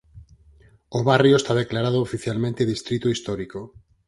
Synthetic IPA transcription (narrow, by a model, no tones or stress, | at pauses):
oβarjoest̪aðeklaɾað̞oofiθjalmẽnt̪eðist̪ɾit̪oist̪ɔɾiko